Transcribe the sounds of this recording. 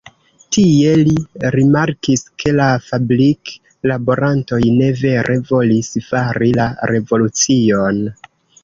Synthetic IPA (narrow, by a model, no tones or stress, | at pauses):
tie̞liɾimaɾkiskʰe̞lafabɾik | labo̞ɾʔanto̞jne̞ve̞ɾʔe̞vo̞lisfaɾilaɾe̞vo̞lut͡sio̞n